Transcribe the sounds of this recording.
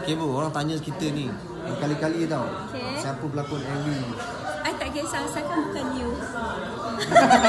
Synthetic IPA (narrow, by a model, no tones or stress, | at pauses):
kebəoɾaŋt̪aɲə̃kit̪ənĩ | əkalikalidawokesapəbəlakonɛnlidi | ajt̪aʔɡɛsasakanbukanju